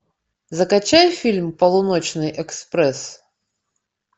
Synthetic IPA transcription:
zɐkat͡ɕajfʲilʲmpɐlˠʊnɔt͡ɕnɨjʔɛkspɾɛs

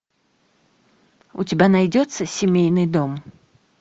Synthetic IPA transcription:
ut͡sʲibʲanajd͡zʲɔt̪sːɐsʲimʲejnɨd̪ɔm

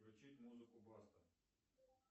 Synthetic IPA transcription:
ʋʲɐt͡ʃit̪ʲmuzɪkʊbɑst̪ɐ

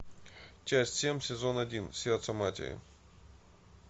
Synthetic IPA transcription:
t͡ɕæsʲtʲsʲemʲsʲɪzo̞nɐdʲinsʲert̪səmatʲɪ̰ɾɪ̰

